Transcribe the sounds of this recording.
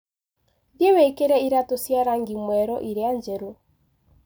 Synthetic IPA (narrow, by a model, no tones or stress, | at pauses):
dewekeɾɛiɾatosjaɾaŋɡimwɛɾɔʔiɾeaɲd͡ʒɛɾo